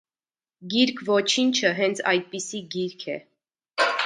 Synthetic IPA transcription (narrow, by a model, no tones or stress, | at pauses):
ɡiɾkʰvɔt͡ʃʰint͡ʃʰəɦɛnt͡sʰɑ̰jd̪̚pisiɡiɾkʰɛ̰